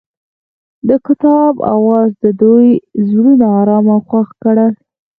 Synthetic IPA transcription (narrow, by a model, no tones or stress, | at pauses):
d̪əkɪt̪ɑba̰wɑzd̪əd̪ujzɽunaːɾɑmaxwaxkəɽa